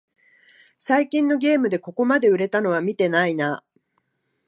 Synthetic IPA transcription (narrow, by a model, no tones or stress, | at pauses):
saikʲĩnːo̞ɡʲe̞ːmɯ̟d̪e̞ko̞ko̞mad̪e̞ɯ̟ɾe̞t̪ano̞β̞amʲit̪e̞naina